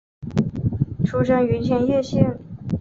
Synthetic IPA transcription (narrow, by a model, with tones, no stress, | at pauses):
ʈ͡ʂʰu˥ʂə˧˥ŋy˧˥nt͡ɕʰjɛ˧˥njɛ˥˧ɕɛ˥˩n